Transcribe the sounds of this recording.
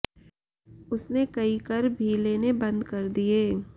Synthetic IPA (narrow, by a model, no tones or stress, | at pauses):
ʊsnekɐikɐɾbʱiːlenebɐ̃nd̪kɐɾd̪ieː